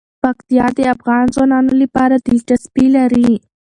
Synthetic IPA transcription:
pakt̪ijɑd̪eafɣɑnzwɑnɑnolipɑɾad̪iʈaspilaɾi

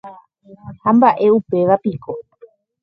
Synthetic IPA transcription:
hambaʔe̞upe̞ʋapikʰo

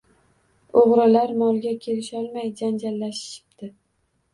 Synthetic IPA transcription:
oʁɾalaɾmɒlˠɡʲakʲʰe̞lɪʃɒlˠmajd͡ʒand͡ʒalːaʃʃɪ̥p̚t̪ʰɪ

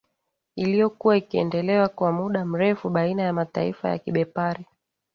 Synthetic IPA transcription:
ilijɔkuwaikiɛ̰ndɛlɛwakwamuɗam̩ɾɛfuɓainajamata̰ḭfa̰ja̰kiɓɛpaɾi

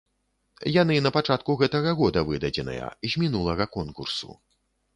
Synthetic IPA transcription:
jan̪ɨnɐpat͡ʂat̪̚kuɣɛt̪ɐɣɐɣɔd̪ɐvɨd̪ɐd͡zʲɛnɨ̰jɐ̰zʲmʲinulˠɐɣɐkɔnkursṵ

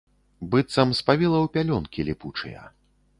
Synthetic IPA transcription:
bɨt̪sɐmspavʲilˠɐwpʲalʲɔnkʲilʲiput͡ʂɨ̰jɐ̰

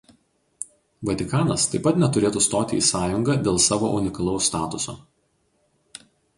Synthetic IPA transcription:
ʋɐt̪ʲɪkɑːnɐst̪ɐɪpːɐt̪nʲɛt̪ʊɾʲeːt̪ust̪oːt̪ʲɪ̰iːsɑːjʊŋɡɐd̪ʲeːlˠsɑːʋo̰ːʔʊnʲɪkɐlˠɒʊsːt̪ɑːt̪ʊso̰ː

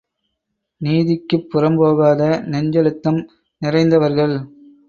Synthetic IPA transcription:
niːðɪkːɯpːʊrɐmboːɣaːðɐnɛɲd͡ʒɐlɯt̪ːɐm | nɪrɐɪnd̪ɐʋɐɾɣɐɭ

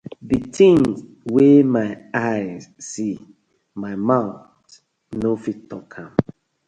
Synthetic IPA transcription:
ditʰĩŋz | wemaɪaɪzsi | maɪmaʊθ | nofitːɔkʰãm

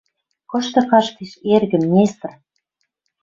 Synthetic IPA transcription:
kɤ̆ʃt̪ɤ̆kɑʃk̪iʃerɣɘ̆mnʲest̪r

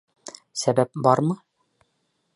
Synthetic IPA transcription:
sæbæp̚bɒɾmɤ

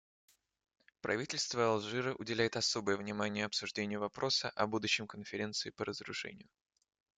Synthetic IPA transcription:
pɾʔɐ̰vʲitʲɪlʲst̪vəɐlˠʐɨɾɨʔʊdʲɪlʲæjɪt̪ɐso̞bəjəvnʲɪmanʲɪjəɐpsʊʐdʲenʲɪjʊvɐpɾo̞səʔɐbud̪ʊɕːɪmkənfʲɪɾʲe̞nt̪sɨɪpəɾəzɾʊ̰ʂɛ̰nʲɪ̰jʊ

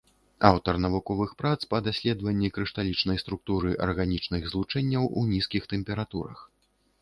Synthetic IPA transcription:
awt̪ɐrnɐvukɔvɨxpɾat̪spɐd̪asʲlʲɛd̪vɐnʲːikɾɨʂt̪alʲit͡ʂn̪ɐjst̪ɾuk̚t̪uɾɨʔɐ̰rɣanʲit͡ʂnɨɣzlˠut͡ʂɛnʲːɐwʔṵnʲiskʲixt̪ɛmpʲɛɾat̪uɾɐ̰x

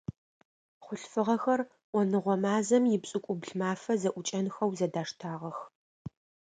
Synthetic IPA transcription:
χʷʊɬfɨʁɐxɐr | ʔʷɔnɨʁʷɔmaːzɐmjɪpsʼɨkʷʼʊbɮmaːfɐzɐʔʷʊt͡ʃʼɐnxɐwzɐdaːʂtʰaːʁɐx

